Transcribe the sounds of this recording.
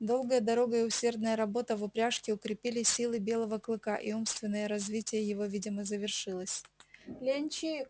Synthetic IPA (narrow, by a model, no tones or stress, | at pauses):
d̪o̞lˠɡəjəd̪ɐɾo̞ɡəɪʊsʲe̞rd̪nəjəɾɐbo̞t̪əvʊpɾʲaʂkʲɪʊkɾʲɪpʲilʲɪsʲilˠɨbʲe̞lˠəvəklˠɨkaʔiumst̪vʲɪnːəjəɾɐzvʲitʲɪjəjɪvo̞vʲidʲɪməzəvʲɪrʂɨlˠəsʲlʲenʲt͡ɕi